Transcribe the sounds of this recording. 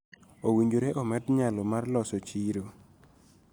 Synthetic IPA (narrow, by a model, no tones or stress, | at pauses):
owiɲd͡ʒoɾeʔɔmɛtɲalɔmarlɔsɔt͡ʃiɾo